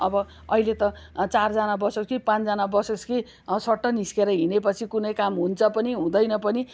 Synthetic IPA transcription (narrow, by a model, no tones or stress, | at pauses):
ʌbʌ | ʌɦilet̪ʌt͡sard͡zanabʌsoskipãt͡sd͡zanabʌsoski | sʌʈːʌniskeɾʌɦinepʌt͡sʰikunʌjkamɦunt͡sʰʌpʌniɦũd̪ʌjnʌpʌni